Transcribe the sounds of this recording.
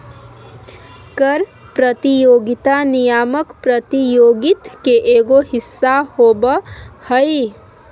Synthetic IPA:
kəɾ | pɾət̪ijoːɡɪt̪anijaːməkpɾət̪ijoːɡɪt̪keʔeːɡoɦɪsːahoːbhəi

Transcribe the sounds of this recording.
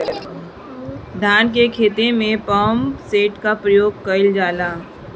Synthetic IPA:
d̪ʱaːnk̬ekʰeːt̪emẽpaːmseːʈkapɾəjoːɡ̚kəɪld͡ʒaːlaː

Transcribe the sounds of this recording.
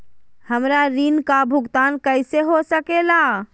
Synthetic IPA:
həmɾaɾinkabʱuɡt̪ankəɪseɦosəkela

